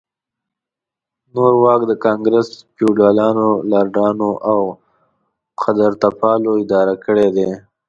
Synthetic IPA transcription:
noɾwɑkd̪əkɑŋɡɾəspuɖalɑnolɑɾɖɑnoʔaw | xad̪aɾt̪apɑloɪd̪ɑɾakəɽed̪e

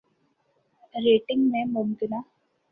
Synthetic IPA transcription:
ɾeːʈɪ̃ŋɡmẽmʊmkɪnaː

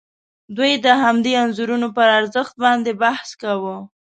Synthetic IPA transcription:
d̪ujd̪əɦamd̪eanzuɾunopəɾaɾzəxt̪̚bɑnd̪ebahskawə

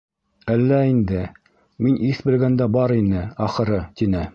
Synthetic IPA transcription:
ælːæind̪ɘ | miniθbɘ̆lɡænd̪æbɑɾinɘɑχɤ̆ɾɤt̪inɘ

